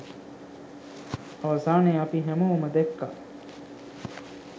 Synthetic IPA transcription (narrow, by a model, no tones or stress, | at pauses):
ɐʋɐsaːneɐpiɦæmɐuməd̪ekːa̰